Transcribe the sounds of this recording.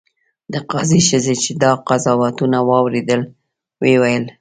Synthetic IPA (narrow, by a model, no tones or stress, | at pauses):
d̪əqɑziʃəzet͡ʃed̪ɑqazɑwat̪unawɑwɾed̪əl | wewajəl